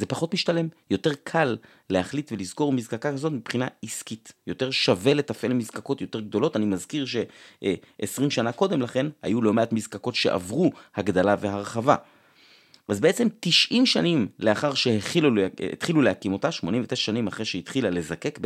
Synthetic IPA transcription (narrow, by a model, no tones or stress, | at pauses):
zepaχo̞tmiʃtale̞mjo̞te̞ʁkʰalː | e̞haχlitve̞lizko̞ʁmizkakakazo̞tmipχinaiskitjo̞te̞ʁʃave̞le̞tafʔe̞lmizkako̞tjo̞te̞ʁɡ̚do̞lo̞tanimazkiʁʃe̞ | ʔesʁimʃanako̞d̪e̞mlaχe̞nha̰julo̞meatmizkako̞tʃe̞̰ʔa̰vʁuhaɡd̪alave̞ɦaʁχava̰ | ʔazbeet͡se̞mtiʃʔimʃanimle̞aχaʁʃeheχilulḛt̪χilulehakimo̞taʃmo̞nĩmvet̪eʃʃanimaχʁeʃeitχilale̞zake̞kb